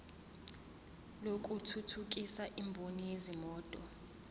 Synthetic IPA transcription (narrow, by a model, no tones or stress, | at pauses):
lokʼutʰutʰuk̬ʼisaʔimbʱonijezimɔːtʼɔ